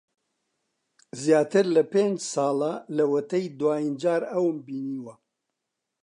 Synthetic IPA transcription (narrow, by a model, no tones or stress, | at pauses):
zjaːt̪ɨɾlɐpeːnd͡ʒsɑːlɐlɐwɐt̪ɐjd̪waːind͡ʒaːɾɐwmbiːniːwɐ